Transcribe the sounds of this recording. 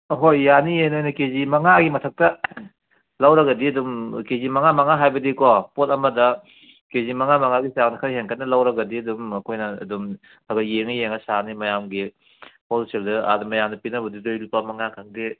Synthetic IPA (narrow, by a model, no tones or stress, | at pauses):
ɦojːanijenojnɐkezimɐŋaɡimɐtʰɐk̚tɐ | lɐwɾɐɡɐdiɐdumkezimɐŋamɐŋaɦajbɐdikɔpotɐmɐdɐ | kezimɐŋamɐŋaɡisaŋnɐkʰɐɾiɦeŋkʰɐt̚nɐlɐwɾɐɡɐdiɐdumɐkʰojnɐɐ̰dum | aɡɐjeŋɐjeŋɐsanimɐjamɡi | polseldɐa̰dumɐjamnɐpinɐbɐdidojlupːɐmɐŋakʰɐŋde